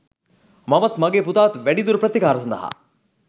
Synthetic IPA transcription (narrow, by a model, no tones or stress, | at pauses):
mɐʋɐt̪mɐɡeːput̪aːt̪ʋæɖid̪uɾɐpɾət̪ːikaːɾɐsɐnd̪ɐ̰ɦɐ̰